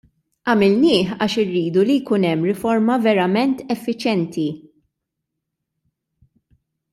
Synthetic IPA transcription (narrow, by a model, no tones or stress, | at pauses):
ʔɐmɪlnɪːħɐ̰ːʃɪrːiːd̪ulijkunɛmːɾɪfɔɾmɐvɛɾɐmɛnt̪ɛfːɪt͡ʃjɛnt̪i